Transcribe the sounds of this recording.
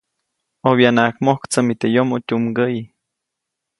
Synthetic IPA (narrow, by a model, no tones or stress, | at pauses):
oβjanakmohkt͡səmit̪ejomotʲumɡəji